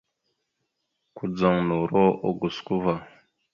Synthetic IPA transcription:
ku˨d͡za˨ŋnu˨ɾo˦ʔo˨ɡu˨sku˦va˨

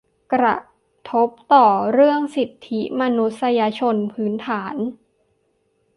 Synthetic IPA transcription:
kɾa̰˧˩ | t̪ʰo˦˥p̚t̪ɔː˨˩ɾɯ˥˩əŋsi˨˩t̪ʰːi˦˥ma˧nu˦˥t̪̚sa˧ja˧t͡ɕʰo˧npʰɯː˦˥nt̪ʰaː˩˦n

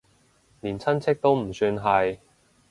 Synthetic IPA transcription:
niː˨˩nt͡sʰɐ˥nt͡sʰɪ˥k̚t̪o˥wm̩˨˩syː˧nɦɐ˨j

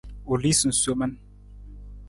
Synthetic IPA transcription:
o˨li˦su˨n̩˨so˦ma˦n

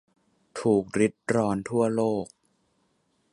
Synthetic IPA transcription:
t̪ʰuː˨˩k̚ɾi˦˥t̪̚ɾɔː˧nt̪ʰu˥˩ɐloː˥˩k̚

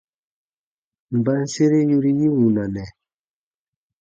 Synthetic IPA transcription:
m̩˨ba˦n̩˦se˦ɾe˦ju˦ɾi˦ji˦wu˨na˨nɛ˨

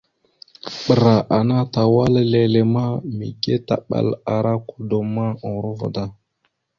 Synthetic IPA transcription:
ɓə˨ɾa˨ʔa˨na˦ta˨wa˦lle˨le˨ma˦mḭ˨ɡe˦ta̰˨ɓa̰˨la˨ɾa˦ku˨do˨ma˦o˨ɾo˦və̰˨da˦˨

